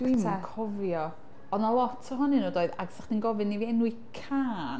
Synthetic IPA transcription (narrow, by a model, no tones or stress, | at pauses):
d̥wimkʰɔvjɔ | ɔðnalˠɔtʰɔɦɔnɨnoːdoːɨðaɡsaχd̥inɡɔvɨnːiviɛnui | kʰaːn